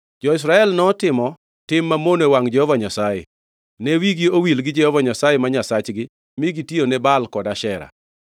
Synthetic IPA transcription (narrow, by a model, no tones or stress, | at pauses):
d͡ʒɔɪs̬ɾaɛlnɔtɪmɔ | tɪmːamonewaŋd͡ʒɛhɔvaɲasajḛ | newiɡiowilɡɪd͡ʒɛhovaɲasajemaɲasat͡ʃɡɪ | miɡitionebalkɔdaʃɛɾa̰